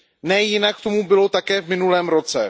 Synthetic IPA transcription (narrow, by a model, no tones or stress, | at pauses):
nɛjɪnakkt̪o̞mubɪlo̞t̪akɛːvmɪnulɛːmɾo̞t͡sɛ